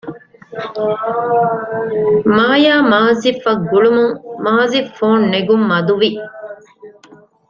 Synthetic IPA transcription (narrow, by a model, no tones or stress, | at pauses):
maːjaːmaːzifɐɡːuɭumuŋmaːzifoːnːeɡumːɐd̪uʋi